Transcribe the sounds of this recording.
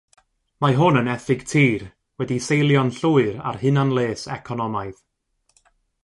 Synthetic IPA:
maɦʊnənɛθɪɡ̥tʰiːr | wɛdisejlˠjɔnɬʊɨɾa̰rhɨnanlˠeːsɛ̰kʰɔnɔmaɨð

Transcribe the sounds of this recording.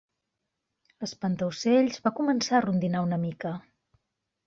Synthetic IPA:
ləspənt̪əwseʎzβakumənsaərund̪inaunəmikə

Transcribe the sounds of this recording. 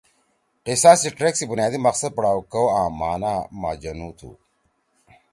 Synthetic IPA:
ʈesaːsiʈɾeksibunjaːd̪imɐqsɐd̪̚pɐɽaːwkɐwãːmaːnaːma̰ːd͡ʑɐnuːt̪ʰṵ

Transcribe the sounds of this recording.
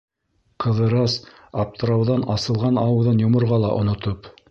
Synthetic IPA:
qɤ̆ðɤ̆ɾɑs | ɑp̚t̪ɤ̆ɾɑwðɑnɑsɤ̆lˠʁɑnɑwɤwðɤnjŏmŏɾʁɑlˠɑʔŏ̰nŏt̪op

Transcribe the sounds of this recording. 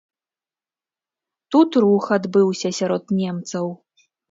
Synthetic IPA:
t̪ut̪ɾuxad̪bɨwsʲɐsʲaɾɔt̪nʲɛmt̪sɐw

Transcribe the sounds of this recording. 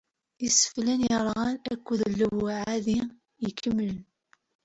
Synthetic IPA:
isə̥flænjɾˤʁɑnækʷːuðəlːəwʕaði | jəkːəmːələn

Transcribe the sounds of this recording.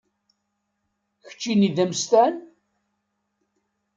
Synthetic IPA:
çə̥t͡ʃːiniðəmst̪æn

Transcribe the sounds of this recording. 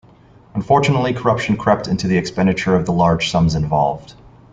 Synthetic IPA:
ə̃ɱfɔɹt͡ʃɨnətˡlikʰə˞ʌpʃɨ̃n̩kʰɹ̥ɛp̚tɪ̃ntʉðiɨkspɛ̃ndɨt͡ʃə˞ʌvðəlɑɹd̥ʒ̥sʌ̃mzɨ̃ɱvɑ̰lˠvd̥

